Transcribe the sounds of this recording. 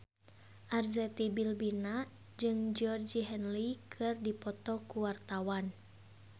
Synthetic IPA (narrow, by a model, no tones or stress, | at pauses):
ʔarzɛt̪ibilbina | d͡ʒɨŋd͡ʒɔrd͡ʒiɦɛnlikʰɨrdipɔt̪ɔkuwart̪awan